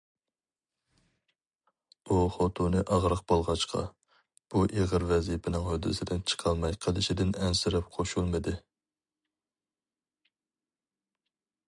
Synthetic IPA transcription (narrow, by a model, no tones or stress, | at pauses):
uχot̪ʰunɨʔɑʁɾəq̚b̥olˠʁɑʃqʰɑ̰ | b̥uʔeʁəɾvɛzipʰɪnɪŋhød̪ːɨ̰sɪd̪ɪnt͡ʃʰə̥qʰɑlˠmɑjqʰəlˠɪʃɪd̪ɪnɛnsɪɾɛp̚qʰoʃulˠmɨd̪ɨ